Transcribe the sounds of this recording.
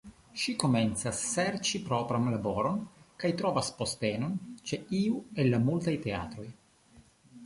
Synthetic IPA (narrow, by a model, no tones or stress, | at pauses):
ʃiko̞me̞nt͡sasːeɾt͡ʃipɾopɾanlaboɾo̞nkajt̪ɾovaspo̞stenont͡ʃeiuelːamultajte̞a̰t̪ɾo̞j